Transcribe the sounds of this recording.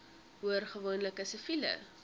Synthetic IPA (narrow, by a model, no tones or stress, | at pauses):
ɦuərχəvoːnləkəsəfilə̰